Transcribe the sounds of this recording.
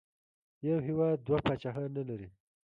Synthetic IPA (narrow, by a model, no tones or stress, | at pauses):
jawɦɪwɑːd̪̚ːwapat͡ʃaɦanalaɾi